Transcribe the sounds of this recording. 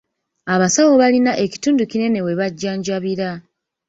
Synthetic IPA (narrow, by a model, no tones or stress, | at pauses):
aβasawo̞βalinaʔe̞ci̥tuːnducine̞ne̞we̞βaɟːaːɲɟaβiɾa